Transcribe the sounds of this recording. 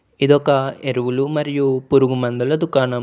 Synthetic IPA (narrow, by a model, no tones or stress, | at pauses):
id̪ɔkɐeɾuʋulumɐɾijupuɾuɡumɐnd̪ulɐd̪ukaːnɐm